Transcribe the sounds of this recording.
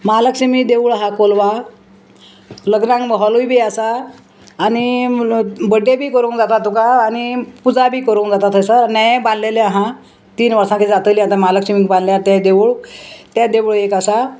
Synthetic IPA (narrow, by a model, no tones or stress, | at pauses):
maləkɕimid̪eʋuɭɦakolʋa | ləɡnãŋɡbəɦɔlujbʱiːasaː | ni | bəɖebʱiːkəɾũŋkd͡zat̪at̪ukaːñipud͡zabʱiːkəɾũːŋkd͡zat̪at̪ʰəjsəɾnajbanleleaɦã | t̪iːnʋəɾsãked͡zat̪əliat̪amaləkɕimikbãnljat̪ad̪eʋuɭt̪jad̪eʋɭekasa